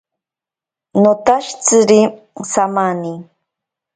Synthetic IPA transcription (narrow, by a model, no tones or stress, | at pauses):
not̪aʃt͡sɨɾi | samani